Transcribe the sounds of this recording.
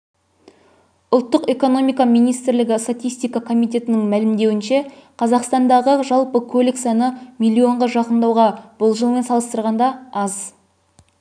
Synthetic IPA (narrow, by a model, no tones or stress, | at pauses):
ʊlˠt̪ːəqe̞ko̞no̞mijkɑmijnijst̪ɪɾlɪɡʲɪst̪at̪ijst̪ijkɑkʰo̞mijt̪e̞t̪ɪnɪŋmælɪmd̪e̞wɪnʃe̞qʰɑzɑqst̪ɑnd̪ɑʁəʒɑlˠpəkʲʰɵlɪksɑnəmijlʲːio̞ɴʁɑʒɑqənd̪ɑwʁɑb̥ʊlˠʒəlˠme̞nsɑlˠəst̪əɾʁɑnd̪ɑɑz